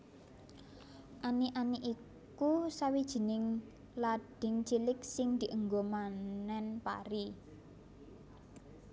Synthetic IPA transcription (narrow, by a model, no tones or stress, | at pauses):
ʔaniʔaniʔi | kusawid̥ʒ̥i̤nɪŋ | laɖ̥ɪ̤ŋt͡ʃilɪksɪŋd̪̥i̤ʔəŋɡomannɛnpa̰ɾi